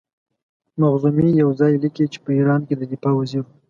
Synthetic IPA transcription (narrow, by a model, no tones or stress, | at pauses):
maɣzumijawzɑjlikit͡ʃe̥pəiɾɑnked̪əd̪ɪfɑwaziɾ